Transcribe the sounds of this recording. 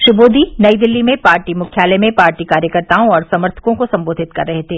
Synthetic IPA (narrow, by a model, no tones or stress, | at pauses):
ʃʊboːd̪ʱinɐid̪ɪlːimẽpaːɾʈimʊkʰjaːlɛmẽpaːɾʈikaːɾjəkəɾt̪aːõɔːɾsɐməɾt̪ʰə̥kõkosɐ̃mboːd̪ʱɪt̪kɐ̰ɾːɐɦet̪ʰeː